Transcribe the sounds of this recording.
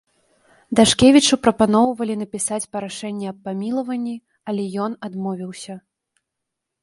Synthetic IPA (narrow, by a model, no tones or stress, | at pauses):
d̪aʂkʲevʲit͡ʂupɾɐpanɔwvɐlʲin̪ɐpʲisat͡sʲpɐɾaʂɛnʲːɛɐpːamʲilˠɐvɐnʲːi | ɐlʲɛjɔnad̪mɔvʲiwsʲɐ